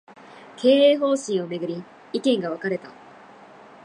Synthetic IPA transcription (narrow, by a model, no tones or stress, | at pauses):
kʰe̞ːeːɦo̞ːɕĩɰ̃o̞me̞ɡɯ̟ɾʲi | ikẽ̞ŋɡaβ̞akaɾe̞t̪a